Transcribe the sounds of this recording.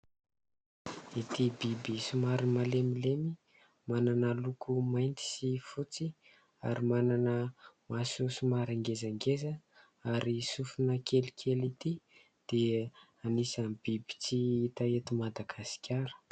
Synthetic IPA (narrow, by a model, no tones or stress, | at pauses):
et̪ibibisumaɾimalemilemi | mananəlukumajnt̪i̥sifut͡si | a̰ɾimananəmasusumaɾaŋɡezaŋɡezə | aɾisufunəkʰelikʰelit̪i | d̪̥e | anisanbibi̥t͡siit̪aet̪imad̪aɡasi̥kʲaɾə̥